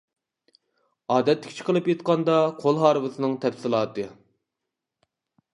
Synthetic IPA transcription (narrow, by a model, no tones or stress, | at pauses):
ɑːd̪ɛt̪ːɪ̥kʲt͡ʃʰi̥qʰəlˠɨpjet̪̚qɑnd̪ɑqʰolˠɦɑːɾɨvɨsɨnɨŋt̪ʰɛpsɨlˠɑːt̪ɨ